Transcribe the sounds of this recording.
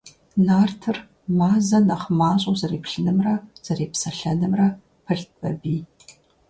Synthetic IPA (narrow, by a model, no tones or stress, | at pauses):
naːrtʰɨr | maːzɐnɐχmaːɕʼowzɐreːpɬɨnɨmrɐz̥ɐreːpsɐɬɐnɨmrɐ | pʰɨɬt̚ʰpʼɐbiː